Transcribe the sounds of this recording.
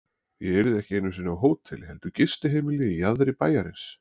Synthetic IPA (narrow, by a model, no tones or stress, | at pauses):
jɛ̰ɛɾɪðɛhcɪejnːʏms̬ɪnawɦoːwt̪ʰːɪ̰lɦɛlt̪ʏcɪst̪ɪɦejmɪlɪijaðɾɪpaːjaɾɪns